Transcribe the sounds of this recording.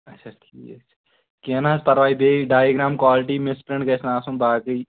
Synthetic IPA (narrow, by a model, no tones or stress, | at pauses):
ɐtːʃʰaʈʰḭːkɐkt͡ʃʰa | kenaːspɐɾʋaːibeːɖaːjeɡɾaːmkwaːlɪʈiːmɪspɾẽɳɖkɐsnaːsũmbaːkəi